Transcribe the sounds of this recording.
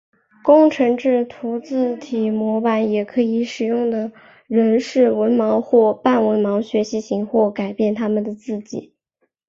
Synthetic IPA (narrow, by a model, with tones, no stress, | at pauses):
kʊ˥ŋʈ͡ʂʰɤ˧˥ŋʈ͡ʂɻ̩˥˩t̪ʰu˧˥t͡sɹ̩˥˩t̪ʰi˨˩mwɔ˧˥pa˧˥njɛ˨˩kʰɤ˧˥i˧˥ʂɻ̩˨˩jʊ˥˩ŋd̪ə˩ | ɻə˧˥nʂɻ̩˥˩wə˧˥nmɑ˧˥ʊxwɔ˥˧pa˥˩nwə˧˥nmɑ˧˥ʊɕɥɛ˧˥ɕi˧˥ɕi˧˥ŋxwɔ˥˩ka˨˩ɪpjɛ˥˩nt̪ʰa˥mə˨nd̪ə˩t͡sɹ̩˥˩t͡ɕḭ˨˩˦